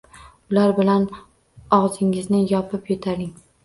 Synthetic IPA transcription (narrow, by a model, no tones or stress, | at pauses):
ʊlaɾbɪlan | ɒʁzɪŋɪznɪjɒpʰɪpjot̪ʰaɾɪŋ